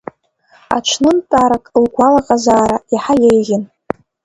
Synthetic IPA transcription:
a̰t͡ʃʷʰnɨntʼaɾakʼlɡʷalaqʼazaːɾaiħajejʁʲɪn

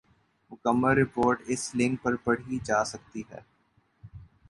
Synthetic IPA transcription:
mʊkəmːəlɾɪpoːɾʈɪslɪ̃ŋk̚pɐɾpɐɽ̤id͡ʒaːsɐk̚t̪iɦɛ̰ː

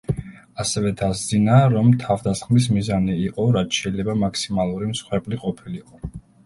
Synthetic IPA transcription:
asɛvɛd̪azd̪zinaɾɔmt̪ʰavd̪asχmis̬mizaniːqʼɔɾat̪ʃɛilɛbamakʰsimalˠuɾimsχwɛbliqʼɔpʰiliqʼɔ

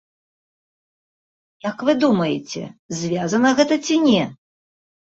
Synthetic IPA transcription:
jakvɨd̪umɐjɪt͡sʲɛ̰zʲvʲazɐnɐɣɛt̪ɐt͡sʲinʲɛ

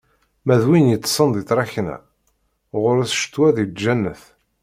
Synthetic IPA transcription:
mæðwinjət͡sːsˤənd̪ˤiθɾˤɑçnæ̰ | ʁʊɾæθʃt̪ːwæðid͡ʒænːəθ

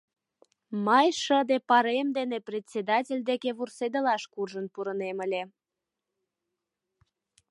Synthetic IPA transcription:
mɑjʃəd̪epɑɾemd̪eneprʲet̪ʲsʲed̪ɑt̬ʲelʲd̪ekeβursed̪əlɑʃkurʒənpuɾəneməlʲe

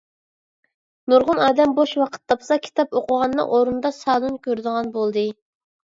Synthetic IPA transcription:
nuɾʁʊnɑːd̪ɛmboʃwɑqʰə̥t̪ːɑpsɑkʲʰi̥t̪ʰɑpoqʰəʁɑnːɨ̰ŋʔoɾund̪ɑsɑːlˠunkʲøɾd̪əʁɑnbolˠd̪ɨ

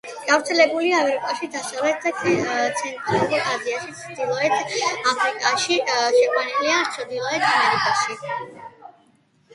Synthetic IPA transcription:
ɡ̥avɾt̪sʰɛlɛbuliaamɛɾikʼaʃid̪asavɛt̪d̪at̪sʰɛnt̪ʼɾaluɾiaziaʃit̪sʰd̪̥ilˠɔɛt̪ʰapʰɾikʼaʃiʃɛkʼwaniliat̪sʰd̪ilˠɔɛt̪ʰamɛɾikʼaʃi

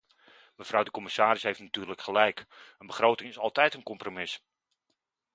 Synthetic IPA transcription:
məv̥rʌwdəkɔmɪsaːɾɪsɦejftnatyːɹləkχəlɛjkənbəχrowtɪŋɪsɑlˠtɛjtənkɔmpromɪs

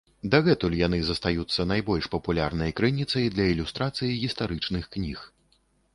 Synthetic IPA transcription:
d̪aɣɛt̪ulʲjan̪ɨzɐst̪ajut̪sːɐnajbɔlʲʂpɐpulʲarnɐjkɾɨnʲit̪sɐjid̪lʲɐilʲust̪ɾat̪sɨjiɣʲist̪aɾɨt͡ʂnɨxknʲix

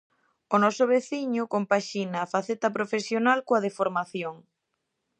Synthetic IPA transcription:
ʊnɔsʊβeθiɲʊkompaʃinɐːfaθet̪ɐpɾofesjonalkoɐðefoɾmaθjoŋ

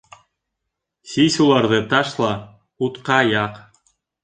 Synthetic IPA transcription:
sʲisʲulˠɑɾðɤt̪ɑʃlˠɑ | ut̪qɑjɑq

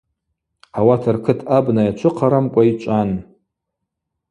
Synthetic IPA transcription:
awatʰarkʰɨtʰabnajat͡ʃʷʰɨqʰaɾamkʷʼait͡ʃʷʼan

